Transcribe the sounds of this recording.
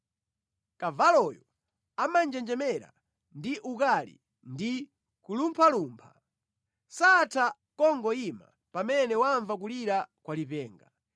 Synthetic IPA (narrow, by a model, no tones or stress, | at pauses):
kavalɔjɔ | amand͡ʒɛnd͡ʒɛmɛɾa̰ | ndiʔukalḭ | ndi | kulumpʰaluːmpʰa | satʰa | kɔŋɡɔima̰ | pamɛnɛwaɱvak̬uliɾakwalipɛːŋɡa